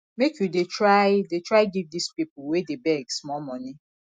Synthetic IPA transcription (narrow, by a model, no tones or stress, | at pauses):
mekjudetɾaɪdetʰɹaɪɡivdispipʊwedebɛɡsmɔmɔ̃ni